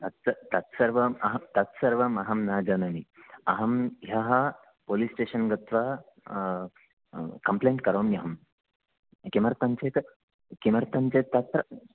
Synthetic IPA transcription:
t̪ɐt̪sɐt̪ɐt̪sɐɾʋɐmɐɦɐt̪ɐt̪sɐɾʋɐmɐɦɐmnaːd͡ʒɐnɐniɐɦɐmɦaɦɐ | polisʈeːɕənɡɐt̪ʋa | kɐmpleːɳʈkɐɾoːmjɐɦɐm | kimɐɾt̪ɐnt͡set̪ | kimɐɾt̪ant͡set̪ːɐt̪sɾɐ

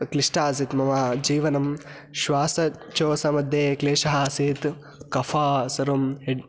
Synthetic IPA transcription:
kliʂʈaːs̬it̪mɐmaːd͡ʒiːʋɐnɐm | ʃʋaːsɐt͡ʃoːsɐmɐd̪ʱjeːkleːʃɐɦasit̪ | kɐfʰaːsɐɾumɦeɖ

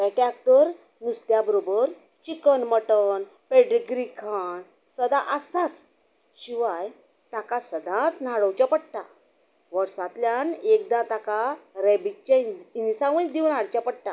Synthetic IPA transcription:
ʋɛ̃ʈjak̚t̪əɾ | nust̪jabəɾobəɾ | t͡ɕikənməʈəɳ | peɽiɡɾikʰaɳ | səd̪ãʔəst̪at͡s | ɕiʋaj | t̪akasəd̪ʱãt̪n̤aɽəwt͡ɕjapəɽʈ̪a̰ | ʋəɾsãt̪ljanekd̪ãt̪akaɾɛbikt͡ɕainsaʋə̃j̚d̪iwnaɽt͡ɕjapəɽʈ̪a

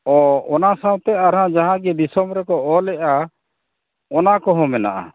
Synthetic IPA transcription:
ɔɔnasaw̃t̪ɛaɾɦãd͡ʒaɦãɡɛb̪isɔmɾɛkɔɔlɛʔa | ɔnakɔɦɔ̃mɛna̰ʔa̰

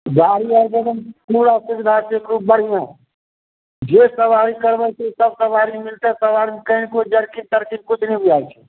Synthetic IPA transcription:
ɡaːɽiad͡ʒəb̪əmpuːɾasɪɡd̪ʱateːkɾuːp̚bəɽ̤ijã | d͡ʒesəʋaːɾikəɾbət͡ʃʰesəb̚səʋaːɾimɪlt̪asəʋaːɾimkəĩnkod͡ʒəɽkint̪əɾkin̚kʊt͡ʃʰnəĩbiaːet͡ʃʰɛ̥

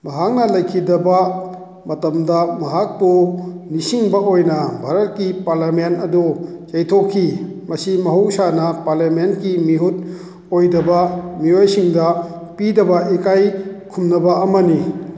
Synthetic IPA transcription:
bɐɦak̚nɐlɐjkʰidɐbɐ | mɐtɐmdɐmɐɦak̚bunisiŋbɐojnɐbʱaɾɐt̚kipaɾlamentɐdut͡ʃɐjtʰokʰːimɐsimɐɦuwsanɐpaɾlamentkimiɦut̚ | ojdɐbɐmiojsiŋdɐpidɐbɐʔekajkʰumnɐbɐːmɐni

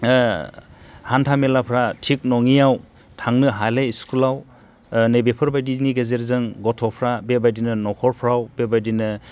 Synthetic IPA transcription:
hantʰamelapʰɾatʰik̚nɔŋijaw | tʰaŋnɯɦalejiskulaw | nejbepʰɯɾbajdizniɡezeɾzɯŋɡɔtʰɔpʰɾabebajdinɯnɔkʰɔɾpʰɾawbebajdinɯ

